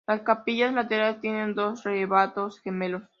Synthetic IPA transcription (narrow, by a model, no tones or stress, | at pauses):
laskapiʝaslat̪eɾalest̪jene̞nd̪o̞sreβat̪osxemelos